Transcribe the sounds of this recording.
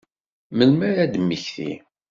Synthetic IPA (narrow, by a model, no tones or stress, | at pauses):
məlmæɾæd̪mːiçθḭ